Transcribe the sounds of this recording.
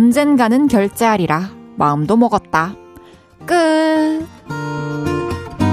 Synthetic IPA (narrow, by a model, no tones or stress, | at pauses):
ʌnd͡ʑenɡanɯnkjʌɭt͡ɕ͈e̞ɦaɾiɾamaɯmdomʌɡʌt̚t͈a | k͈ɯ